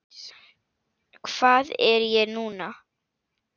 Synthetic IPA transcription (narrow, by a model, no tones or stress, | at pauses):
kʰv̥aːðɛɾjɛnuːna